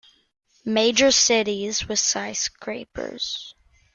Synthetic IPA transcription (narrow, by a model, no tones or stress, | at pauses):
meɪd͡ʒə˞sɪɾizwəð̥saɪskʰɹeɪpʰə̰˞z̥